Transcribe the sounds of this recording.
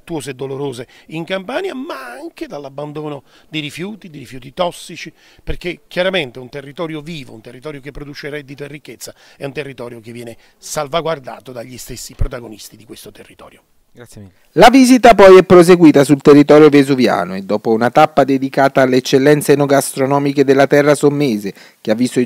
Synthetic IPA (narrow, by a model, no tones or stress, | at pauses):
t̪ːuwoːzed̪ːoloɾoːzeiŋkampaːnjamaaŋked̪alːabːand̪oːnod̪iɾifjuːt̪id̪iɾifjuːt̪it̪ɔsːit͡ʃi | perk̟ekʰːjaɾament̪eunt̪erːit̪ɔːɾjoviːvount̪erːit̪ɔːɾjokepːɾod̪uːt͡ʃeɾɛd̪ːit̪oerːikːet̪sːaɛunt̪erːit̪ɔːɾjokevːjɛːne | salvaɡward̪a̰ːt̪od̪aʎːist̪esːipɾot̪aɡonist̪id̪ikwest̪ot̪erːit̪ɔ̰ːɾjo | laviːzit̪apɔjɛpːɾos̬eɡwiːt̪asult̪erːit̪ɔːɾjovezuvja̰ːnoed̪ːɔːpounat̪apːad̪ed̪ikaːt̪aːlːeːt͡ʃːelːɛnt̪senɔɡast̪ɾonɔːmiked̪elːat̪ɛrːasomːeːze | k̟eavːist̪o